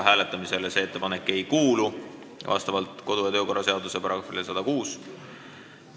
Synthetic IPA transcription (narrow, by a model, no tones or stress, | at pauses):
ɦæːle̞t̪ːˑɑmise̞lese̞et̪ːe̞pɑnekːˑe̞jkuːlu | vɑ̰st̪ɑvɑlt̪ˑko̞d̪̥ujɑt̪ø̞ːko̞rːɑse̞ɑd̪use̞pɾɑɡfilesɑd̪̥ɑkuːs